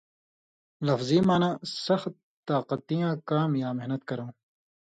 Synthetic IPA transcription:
lɐfziːmaːnãːsɐxt̪ | t̪aːqɐt̪ijãːkaːmjaːmeɦnɐt̪̚kɐɾõː

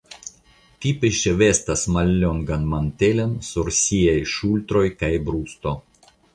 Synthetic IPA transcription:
k̪ʲipʲɪʃɛʋʲest̪ɐsmalʲːoŋɡɐnmanʲt̪ʲelʲensuɾsʲijajʃulʲt̪ɾojkajbɾuːst̪o

